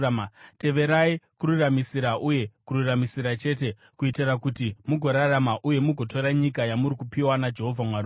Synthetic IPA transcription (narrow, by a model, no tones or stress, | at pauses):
te̞ʋe̞ɾaikururamisiɾaʔuje̞kururamisiɾat͡ʃe̞ːt̬e̞ | kuitirakutimuɡʱo̞ɾaramaʔuje̞muɡʱo̞to̞ɾaɲikajamuɾikupiwanad͡ʒe̞ɦo̞vʱamwaɾu